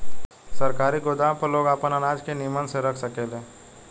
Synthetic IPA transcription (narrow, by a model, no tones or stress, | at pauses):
sɐɾkaːɾiɡod̪aːmpɐɾloːɡaːpənɐnaːd͡ʒkenimənseɾɐkʰsɐkelẽː